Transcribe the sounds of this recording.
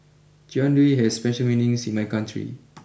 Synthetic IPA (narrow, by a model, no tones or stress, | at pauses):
d͡ʒɔ̃ndɹiɦɛsspɛʃəlminĩŋsĩnmajkãntʰɹḭ